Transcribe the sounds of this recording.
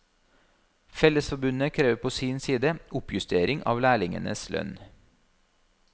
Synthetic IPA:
fɛləsfɔbʉnəkʰɾeːʋpʰoːsiːnsiːd̪əʔʊpjʉst̪eːɾɪŋʔɑ̰ːʋlæːɭɪŋə̰nə̰slœ̰n

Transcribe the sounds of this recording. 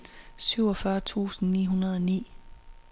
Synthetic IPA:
syʊ̰ɒfɶɐt͡sʰṵːsn̩nḭːɦunɐð̞ˠɒ̽nḭː

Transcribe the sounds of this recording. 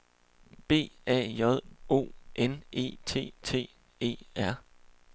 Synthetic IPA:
b̥e̝̰ːɛ̰ːjɒð̞ˠo̝̰ːʔene̝̰ːt͡sʰe̝̰ːt͡sʰe̝̰ː | e̝̰ːæɐ̰

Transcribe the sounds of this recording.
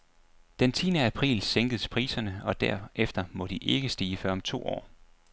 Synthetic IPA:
d̥ent͡sʰiːnəæpʰʁḭːlseŋɡ̥ð̩ˠspʰʁḭːsɐnəɒ̽d̥æɐ̰ʔefd̥ɐmɒ̽d̥iʔe̝ɡ̥əsd̥iːəfɶɐ̰ɒ̽mt͡sʰo̝̰ːɒ̰ː

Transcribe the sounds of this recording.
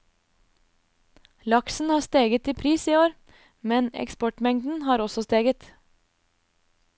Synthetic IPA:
lɑksn̩hɑːst̪eːɡət̪iːpʰɾiːsiːoːɾ | mɛnɛ̰kspɔʈmɛŋd̪n̩hɑːɾɔsɔst̪eːɡət̪

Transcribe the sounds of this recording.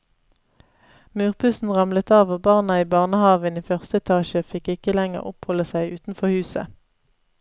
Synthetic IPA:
mʉːʁpʰʉsn̩ʁɑmlət̪ɑːʋoːbɑːʁnɑiːbɑːʁnəhɑːʋəniːfœʁst̪əɛt̪ʰɑːʃəfɪkɪkəlæŋə̰ʁɔ̰phɔləsæɪʔʉːt̪n̩fɔʁhʉːsə̰

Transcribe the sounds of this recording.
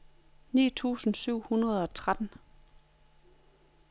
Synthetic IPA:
nḭːt͡sʰṵːsn̩syʊ̰hunɐð̞̩ˠɒ̽t͡sʰʁad̥n̩

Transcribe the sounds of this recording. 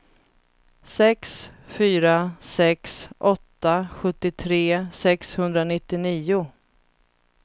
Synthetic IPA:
sɛksfyːɾasɛksʔɔt̪ːaɧɵt̪ːɪt̪ʰɾeːsɛkshɵnd̪ɾanɪt̪ːɪniːʊ

